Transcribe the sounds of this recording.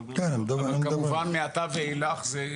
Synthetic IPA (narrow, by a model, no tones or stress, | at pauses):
kɛnmd̪aamkadmuvanmeat̪aveilaχze